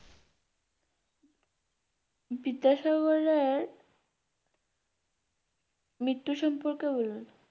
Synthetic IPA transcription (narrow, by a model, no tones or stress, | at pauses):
bid̪aʃɔɡɔɾeɾ | mɾit̪ːuʃɔmpoɾkebolun